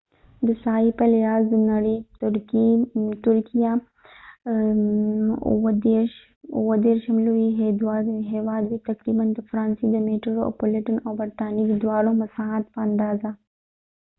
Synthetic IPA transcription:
d̪ɪsaːipɐljaːzd̪unɐɾit̪ʊɾkit̪ʊɾkija | d̪eɾʃ | oʋɐd̪eːɾʃɐmluiɦed̪waːɦeːʋaːd̪bit̪ɐkɾiːbɐnd̪ɐfɾãːnsid̪ɐmeːʈoɾoɐ̰polɪʈənɔːbɐɾt̪aːniɡid̪waːɽõmɐsaːɦat̪pɐɐnd̪aːza

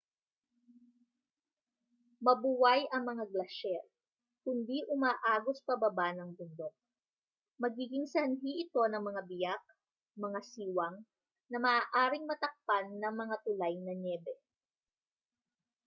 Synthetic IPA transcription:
mɐbuwajɐŋmɐŋaɡlɐʃɛɾ | kʊnd̪iʔʊmaːʔaːɡospɐbɐbanɐŋbʊnd̪o̞k̚ | mɐɡiːɡɪŋsɐnɦiʔɪt̪o̞nɐŋmɐŋabɪjak̚ | mɐŋasiːwɐŋ | nɐmɐaːʔaːɾɪŋmɐt̪ɐk̚panːɐŋmɐŋat̪ʊlajnɐɲɛːbɛ

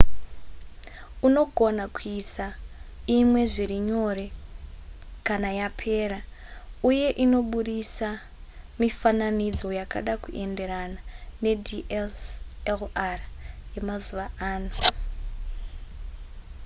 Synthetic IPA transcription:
uno̞ɡʱo̞nakuisaimwe̞ʐiɾiɲo̞ɾe̞ | kanajapʰe̞ːɾauje̞ʔino̞ɓuɗisa | mifananid͡zo̞jaka̰ɗakuʔe̞nde̞ɾanane̞diʔeselarje̞mazuʋaaːno

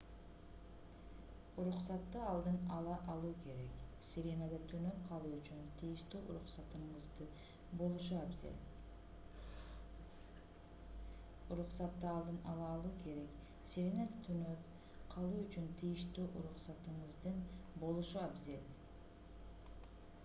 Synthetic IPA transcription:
uɾuqsɑt̪ːɯɑlˠd̪ɯnɑlˠɑʔɑlˠuːke̞ɾe̞ksʲiɾʲenad̪ɯt̪ʰynøp̚qʰɑlˠuːyt͡ʃynt̪ʰijiʃt̪yːʔṵɾuqsɑt̪ɯɴɯzd̪ɯ | bo̞lˠuʃuabzḛlʲ | uɾuqsɑt̪ːɯɑlˠd̪ɯnɑlˠɑːlˠuːkʰe̞ɾe̞k | sʲiɾʲenad̪t̪ʰynøp | qʰɑlˠuːyt͡ʃynt̪ʰijiʃt̪yːʔuɾuχsɑt̪ɯɴɯzd̪ɯnbo̞lˠuʃuabzelʲ

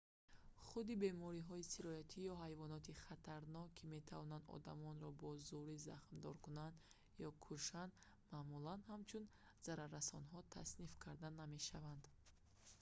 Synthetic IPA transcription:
χud̪ibe̞mɔɾiɦɔisiɾɔjat̪ʰijɔɦajvɔnɔt̪iχat̪ʰaɾnɔkʰːimet̪ʰavɔnand̪ɔ̰d̪amɔnɾɔbɔzuɾiza̰χmd̪ɔɾkunand̪ | jɔkʰuʃand̪ | mamulanhamt͡ʃʰun | z̥aɾaɾːasɔnɦɔt̪ʰa̰snifkʰaɾd̪aname̞ʃavand̪̥

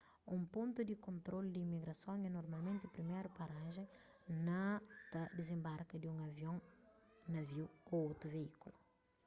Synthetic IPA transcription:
ũmpõnt̪ud̪ikõnt̪ɾold̪iimiɡɾɐsõŋɛnoɾmalmẽnt̪ɪpɾimɛɾupaɾaʒẽ | nɐt̪ɐd̪ezẽmbaɾkɐd̪iũŋɐvjõŋnɐviwkõot̪ɾuveikulu

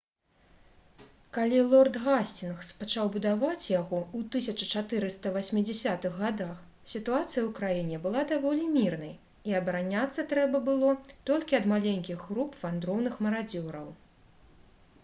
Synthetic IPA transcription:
kalʲilˠɔrt̪ɣasʲt͡sʲinxspat͡ʂawbud̪avat͡sʲjaɣɔut̪ɨsʲɐt͡ʂɐt͡ʂat̪ɨɾɨst̪ɐvasʲmʲid͡zʲɛsʲat̪ɨɣɣad̪ax | sʲit̪uat̪sɨjɐwkɾajinʲɛbɨlˠad̪avɔlʲimʲirnɐj | iɐbɐɾanʲat̪sːɐt̪ɾɛbɐbɨlˠɔt̪ɔlʲkʲiɐd̪malʲenʲkʲiɣːɾupfand̪ɾɔwnɨxmɐɾad͡zʲɔɾɐw

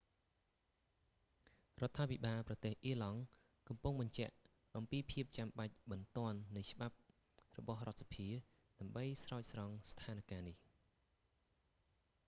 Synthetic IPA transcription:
rŏət̪ʰːaːpʰiɓaːlprɑt̪eːhʔiəlɑŋ | kɑmpuŋɓɑɲt͡ɕɛ̆əʔ | ʔɑmpiːpʰiəp̚t͡ɕamɓac̚ɓɑnt̪ŏənːɨjt͡ɕə̆ɓap̚ | rɔ̰ɓɑhrŏət̪sḁpʰiə | ɗaəmɓəjsraɔc̚srɑŋst̪ʰaːnkaːnih

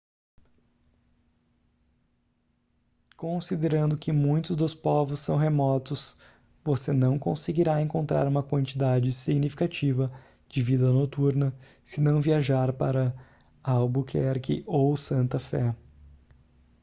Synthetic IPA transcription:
kõsid̪eɾɐ̃nd̪ʊkɪmũj̃t̪ʊzd̪ʊspɔvʊsːɐ̃w̃ɦemɔt̪ʊs | vosenɐ̃w̃kõseɡiɾaẽŋkõnt̪ɾa̰ɾũmɐkwɐ̃nt͡ʃid̪ad͡ʒɪsiɡnifi̥kat͡ʃivɐ | d͡ʒɪvid̪ɐnot̪uɾnɐ | sɪnɐ̃w̃viaʒaɾpaɾɐ | awbukʰɛɾkɪ̰ʔowsɐ̃nt̪ɐfɛ

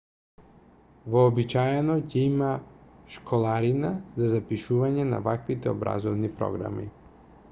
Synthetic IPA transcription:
vɔːbit͡ʃajɛnɔcɛimaʃkʰɔlˠaɾinazazapiʃuvaɲɛna̰vakvit̪ɛɔbɾa̰zɔvnipɾɔ̰ɡɾa̰mḭ

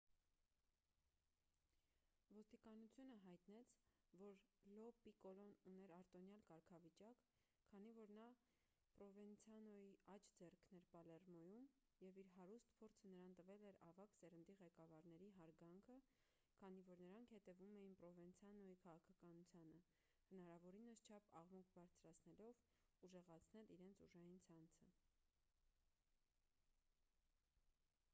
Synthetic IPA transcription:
vɔst̪ikɑnut͡sʰjunəɦɑjt̪nɛt͡sʰvɔɾlɔpikɔlɔnunɛɾɑɾt̪ɔnjɑlkɑɾkʰɑvit͡ʃɑkʰː | ɑn̪ivɔɾnɑ | pɾɔvɛnt͡sʰjɑnɔiɑt͡ʃʰd͡zɛrkʰnɛɾpɑlɛrmɔjum | jɛviɾɦɑɾust̪pʰɔɾt͡sʰənəɾɑnt̪əvɛlɛɾɑvɑksɛɾənd̪iʁɛkɑvɑɾn̪ɛɾiɦɑɾɡɑŋkʰə | kʰɑn̪ivɔɾnəɾɑŋkʰhɛt̪ɛvumɛjinpɾɔvɛnt͡sʰjɑnɔikʰɑʁɑkʰɑkɑnut͡sʰjɑnə | hənɑɾɑvɔɾinəst͡ʃʰɑpɑʁmukʰbɑɾt͡sʰɾɑt͡sʰnɛlɔv | uʒɛʁɑt͡sʰnɛliɾɛnt͡sʰuʒɑjint͡sʰɑnt͡sʰə

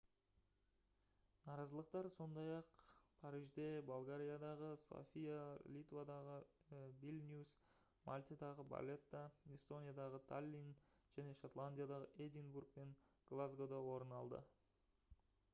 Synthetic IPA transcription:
nɑɾɑzəlˠəq̚t̪ɑɾso̞nd̪ɑjɑqpʰɑɾiʒd̪e̞bolˠɡaɾʲijad̪ɑʁəso̞̰fʲijalʲit̪vad̪ɑʁəbilʲnʲus | malʲt̪ʲid̪ɑʁəba̰lʲe̞t̪ːɑest̪o̞nʲijad̪ɑʁət̪ʰalʲːinʒ̥æne̞ʃot̪lˠanʲd̪ʲijad̪ɑʁəʔed̪ʲiŋburɡ̚pe̞ŋɡ̥lˠazɡod̪ɑwo̞ɾənɑlˠd̪ə̰

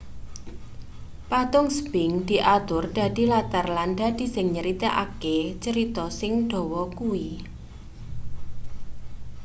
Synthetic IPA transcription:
pat̪ʊŋsb̥ɪŋd̪̥i̤ʔat̪ʊrd̪̥a̤d̪̥i̤lat̪arlanda̤d̪̥i̤sɪŋɲəɾit̪eʔa̰ket͡ʃəɾit̪ɔsɪŋɖ̥ɔ̤wɔkuwi

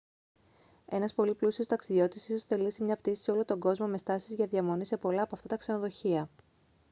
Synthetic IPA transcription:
e̞nɐspo̞liplusio̞st̪ɐksiðio̞t̪isiso̞sθe̞lisimɲɐp̚t̪isi̥so̞lo̞t̪o̞ŋɡo̞zmo̞me̞st̪ɐsizʝɐðiɐmo̞nisepo̞lɐːpoɐft̪ɐt̪ɐkse̞no̞ðo̞çiɐ

